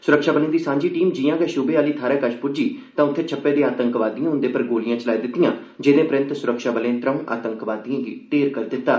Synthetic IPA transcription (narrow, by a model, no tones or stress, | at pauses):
sʊɾəkʃaːbənĩːd̪iːsãːɲd͡ʒiːʈiːmd͡ʒiːjãːkɛːʃʊbeːaːliːt̪ʰaːɾɛːkəʃpʊɾd͡ʒiːt̪ãːʊt̪ʰːeːt͡ʃʰəpːeːd̪ẽːaːt̪əŋkʋaːd̪ijãːʊnd̪eːpəɾɡoːlɪjãːt͡ʃəlaːiːd̪ɪt̪ːɪjãː | d͡ʒɪnẽːpɾɪ̃nt̪sʊɾəkʃaːbəlẽːt̪ɾə̃ʔa̰ːt̪əŋkʋaːd̪ijãːɡḭːʈeːɾkəɾd̪ɪt̪ːaː